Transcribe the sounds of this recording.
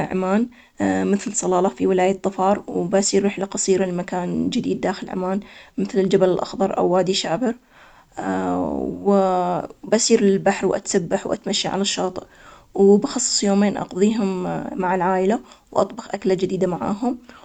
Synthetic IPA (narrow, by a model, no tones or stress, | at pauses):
ʕa̰maːn | mɪθlsˤɑlɑːlɑfiwɪlaːjɪd̪ˤːɑfɑːɾˤwbasiːɾːɪħlaqɑsˤiːɾalmakaːnd͡ʒɪd̪iːd̪ːaːxɪlʕa̰maːnmɪθlɪld͡ʒabalɪlʔɑ̰xðˤɑɾˤʔa̰wːaːd̪iʃaːbɪɾ | w | bʔasiːɾɪlbaħɾwʔa̰t̪sabːaħwʔa̰t̪maʃːiʕa̰laʃːɑːt̪ˤʔ | wbɑxɑsˤːɨ̥sˤjoːmeːnʔɑ̰qðˤiːɦʊmːaʕalʕaːʔɪlawʔɑ̰t̪ˤbɑxʔaklad͡ʒɪd̪iːd̪amaʕa̰ːɦʊm